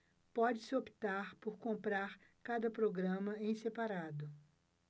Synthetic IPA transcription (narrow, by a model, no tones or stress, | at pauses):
pɔd͡ʒɪsɪopi̥t̪aɾpoɾkõmpɾaɾkad̪ɐpɾoɡɾɐ̃mɐẽj̃sepaɾad̪ʊ